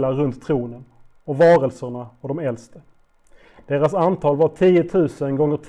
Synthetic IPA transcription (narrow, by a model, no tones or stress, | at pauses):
laɾɵnt̪ʰːɾuːnən | ɔvɑːɾəlsəɳaɔd̪ɔmɛlst̪ə | d̪̥eːɾasant̪ʰɑːlvaʈʰiːʊt̪ʰʉ̟ːsənɡɔŋːəʈʰ